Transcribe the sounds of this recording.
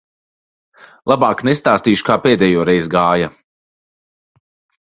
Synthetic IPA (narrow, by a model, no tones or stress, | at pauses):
lˠabaːknɛst̪aːst̪iːʃu̥kaːpɛːd̪ɛjuːɾɛjzɡaːja